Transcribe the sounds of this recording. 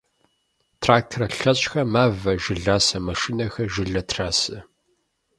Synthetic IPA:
tʰraːk̚tʰrɐɬɐt͡ɕʼxɐmaːvɐʒɪɮaːsɐmɐʂɪnɐxɐʒɪɮɐtʰraːsɐ

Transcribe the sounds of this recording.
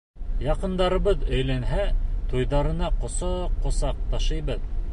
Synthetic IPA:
jɑqɤ̆nd̪ɑɾɤ̆βɤðɵ̆jlænɦæt̪ujðɑɾɤ̆nɑqŏsɤqːŏsɑq̚t̪ɑʃɤ̆jbɤð

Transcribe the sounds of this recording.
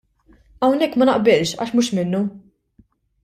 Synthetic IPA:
ɐwnɛkːmɐnɐʔbɪlʃɐ̰ːʃmuːʃmɪnːu

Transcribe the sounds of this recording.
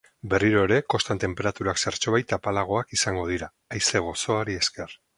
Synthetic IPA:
be̞riɾoeɾe̞ko̞st̪ant̪e̞mpe̞ɾat̪uɾakseɾt͡ʃo̞βajt̪apalaɣ̞o̞akisaŋɡo̞ð̞iɾaːjseɣ̞o̞so̞aɾie̞ske̞r

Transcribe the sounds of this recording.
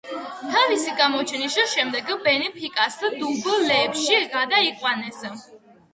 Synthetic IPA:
t̪ʰavisiɡamɔt͡ʃʰɛniʃiʃɛmd̪ɛɡbɛnɛpʰikʼasd̪ublɛːpʃiɡad̪aiqʼwanɛs

